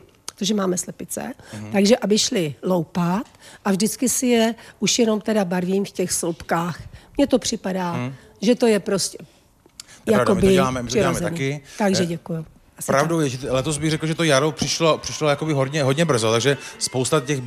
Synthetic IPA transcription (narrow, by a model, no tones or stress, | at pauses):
ot̪oʒɛmaːmɛslɛpɪt͡sɛ̰aɡʒɛʔabɪʃlɪlowpat̪ʔavʒdɪt͡skɪsɪjɛʔuʃjɛno̞mt̪ɛdabaɾviːmfcɛxslupkaːxmɲɛt̪o̞pr̝̥ɪpadaː | ʒɛt̪o̞jɛpɾoscɛ | jadkombɪɛaːmɛmɪr̥ɪaomɛzɛaniɪt̪aɡʒʒɛɟɛkujʊ | ʔasɾavdowjɛʒt̪lɛt̪ozbɪɣrɛklʒɛt̪ojaɾopr̥ɪʃlopr̥ɪʃlojakobɪɦodɲɛɦodɲɛbr̩zot̪aɡʒɛspowst̪acɛx